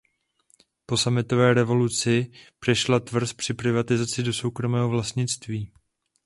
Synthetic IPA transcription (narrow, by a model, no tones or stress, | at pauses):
po̞samɪt̪o̞vɛːɾɛvo̞lut͡sɪpr̝̥ɛʃlat̪vr̩spr̝̥ɪpɾɪvat̪ɪzat͡sɪdo̞so̞wkɾo̞mɛːɦovlast̪ɲɪt͡st̪viː